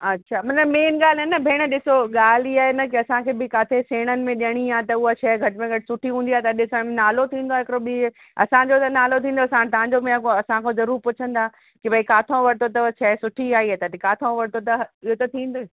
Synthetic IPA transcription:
ɐtːʃʰaːmɐnəmeːnɠaːlɦenɐbʱeːɽ̃ɗɪsoɠaːl̤iaːɦenɐkɪɐsãkʰeːbɪkaːt̪ʰeseːɽ̃ənɪ̆mẽɗiəɽ̃iãːt̪ɐuat͡ɕʰɛːɡʱɐʈmẽɡʱɐʈɪ̥sʊʈʰiɦũːnd̪iaːet̪ɐɐɗɪsəɽmẽnaːlot̪ʰĩːnd̪oaːɦɪkɪɾobi | ɐ̰sãɲd͡ʑot̪ɐnaːlot̪ʰĩːn̆d̪oɐsãt̪ɐãɲd͡ʑobɪ̃ãkoɐsãkʰozɐɾuːɾpʊt͡ɕʰə̃nd̪aː | kɪbʱɐikaːt̪ʰõʋɐɽt̪ot̪ɐt͡ɕʰɛːsʊʈʰiaːiɦeːt̪ɐt̪ikaːt̪ʰõʋɐɽt̪ot̪ɐɪɦot̪ɐt̪ʰĩːn̆d̪oe

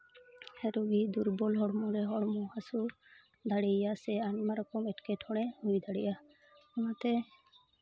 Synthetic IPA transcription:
ɛɾɔɡid̪uɾbɔlɦɔɽmɔɾɛɦɔɽmɔhasu | d̪aɽɛjasɛanmaɾɔkɔmɛʈkɛʈʰɔɽ̃ɛhujd̪aɽɛjʔa | ɔmat̪ɛ

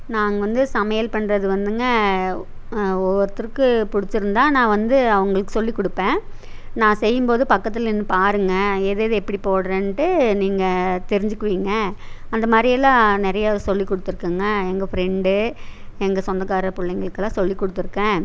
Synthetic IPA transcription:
naːŋɡɐʋɐnd̪ɯsɐmɐjɐlpɐɳːɾɐðɯʋɐnd̪ɯŋɡɐ | ɔʋɐɾɐt̪ːɪɾkːɯpʊɽɪt͡ʃːɯɾɯnd̪ãːnãːʋɐnd̪ɯɐʋɐŋɡɐɭɯkːɯsɔlːikːɔɽɯpːẽː | nãːsɛjːɯmpoːðɯpɐkːɐt̪ːɪlɛnːɯpaːɾɯŋɡɐeːðeɐðɯɛpːɐɽipoːɽɐɾẽnʈɯniːŋɡɐt̪ɛɾɪɲd͡ʒɯkːɯʋiːŋɡɐ | ɐnd̪ɐmaːd̪ɾɪɐlːãːnɛɾɐjasɔlːikːɔɽɯt̪ːɯɾɯkːɯːŋɡɐɛŋɡɐfɾɛɳɖɯɛŋɡɐsɔnd̪ɐkːaːɾɐpʊlːɐŋɡɐɭɯkːɐlːãːsɔlːikːɔɽɯt̪ːɯɾɯkːẽː

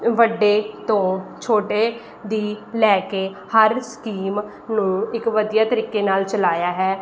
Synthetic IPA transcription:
ʋəɖːeːt̪õːt͡ʃʰoːʈeː | d̪iːlɛːkeː | həɾskiːm | nũːɪkʋəd̪ijaːt̪əɾiːkeːnaːlt͡ʃəlaːjaːɦɛː

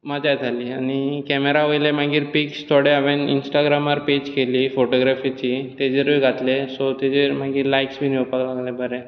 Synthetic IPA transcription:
mad͡ʑajd͡z̪ʱaliːañikɛmeɾaʋəjlem̤aɡiːɾpikst̪ʰoɽeaʋenḭnsʈaɡɾamaɾped͡ʑkeliːfoʈoɡɾafit͡ɕit̪ed͡ʑeɾiɡʱat̪lesɔt̪ed͡ʑeɾmaɡiːɾlajksbʱiːnewpaklaɡlebəɾe

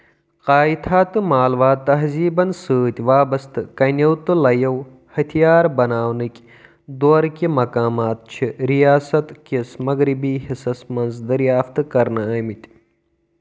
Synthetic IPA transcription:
qaːit̪ʰaːt̪ɨmaːlʋaːt̪ɐɦziːbɐnsɨːt̪ʲʋaːbɐst̪ɨkɐnʲɐwt̪ɨlɐjɐw | hɐt̪ʰijaːɾbɐnaːwnɨkʲ | d̪oːɾkʲimɐkaːmaːt̪̚t͡ʃʰiɾijaːsɐt̪kʲismɐɣɾibiːɦisɐsmɐnzd̪ɐɾjaːft̪ɨkɐɾnɨəːmit̪ʲ

